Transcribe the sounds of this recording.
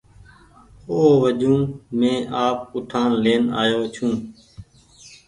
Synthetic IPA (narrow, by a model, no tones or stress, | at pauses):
oːʋəd͡ʒũːmẽːʔaːp̚ʊʈʰaːnleːna̰ːjoːt͡ʃʰũː